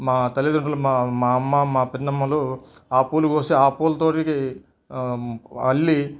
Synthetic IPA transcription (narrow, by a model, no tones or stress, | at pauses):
maːt̪ɐlid̪uɳʈɐlumamaːɐmːɐmaːpinnːɐmːɐloaːpuːluɡoːseaːpuːlɐt̪oːʈiki | ɐlːi